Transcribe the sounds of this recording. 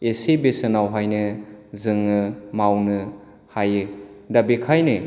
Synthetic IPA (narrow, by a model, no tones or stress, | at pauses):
esebesɯnawɦajnɯzɯŋːɯmawnɯ | hajɯ | dabekʰajnɯ